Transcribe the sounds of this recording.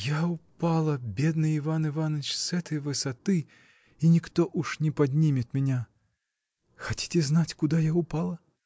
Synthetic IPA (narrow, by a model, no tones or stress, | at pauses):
jawpalˠɐbʲɛd̪nɨivanɨvanɐt͡ʃsɣɛt̪ɨjɐvɨsat̪ɨ | inʲikt̪ɔʔuʂnʲɛpad̪ʲnʲimʲɐt̪mʲɛnʲa | xat͡sʲi̥t͡sʲɛznat͡sʲkud̪ajawpalˠɐ